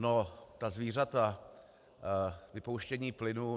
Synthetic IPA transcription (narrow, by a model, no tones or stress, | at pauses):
not̪azviːr̝at̪a | vɪpowʃcɛɲiːplɪnuː